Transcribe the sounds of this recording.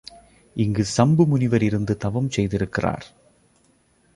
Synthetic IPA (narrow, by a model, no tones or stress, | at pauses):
ʔɪŋɡɯsɐmbɯmʊnɪʋɐɾɪɾɯnd̪ɯt̪ɐʋɐmsɛjðɪɾɯkːɪra̰ːɾ